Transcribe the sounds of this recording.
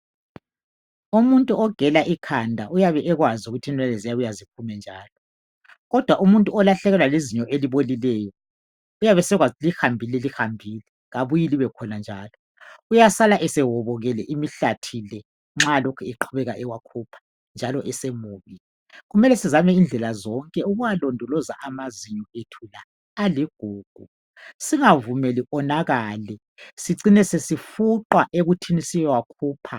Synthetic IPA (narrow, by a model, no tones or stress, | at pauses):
umuntʼuɔɡ̥ʱɛlaʔikʰandʱaʔujaβɛʔɛɣwazuɣutʰinɛlɛzijaβujazipʰumɛnd͡ʒʱaːlɔ | ɣɔd̥ʱwaʔumuntʼuɔlaɬɛɣɛlwaleziɲɔʔeliβolilɛːjɔ | ujaβɛsɛɣwalihambʱilɛlixambʱiːlɛ | ɣaβujiliβɛkʰɔnand͡ʒʱaːlɔ | ujasalaʔɛsɛwɔβɔɣɛlɛʔimiɬatʰilɛ | ŋ͡ǁalɔkʰuiǃʰuβɛɣaʔɛwakʰupʰḁ | nd͡ʒʱalɔʔɛsemuːβi | ɣumɛlɛsizamɛind͡ɮʱɛlazɔŋkʼɛuɣujalɔndʱɔlɔza̰ʔamaziɲɔetʰulaː | liɡ̥ʱuːɡ̥ʱu | siŋavumɛliʔɔnaɣaːlɛ | siǀinɛsesifuǃaʔeɣutʰinisijɛwakʰuːpʰa̰